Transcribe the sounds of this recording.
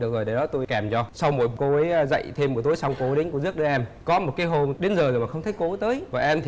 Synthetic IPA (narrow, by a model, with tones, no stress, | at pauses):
ɗɨ˨˩ək̚zo˨˩jɗe˧˩ɗɔ˨˦t̪o˧jkaː˨˩mt͡ɕɔ˧sa˧wmo̰˧˩jko˨˦ə˨˦jzə̰˧˨jt̪ʰe˧mːu˨˩t̪o˨˦jsa˧wŋ͡mko˨˦ɗe˨˦ŋkzɨ˦˥əɗʔɛ˧mkɔ˨˦mo˨˩t̚kaː˨˦jɦo˧nɗe˨˦nzəː˨˩zo˨˩maː˨˩xə˧wŋ͡mt̪ʰə˨˦jko˨˦t̪əː˨˦jvaː˨˩ʔɛ˧mt̪ʰi˨˩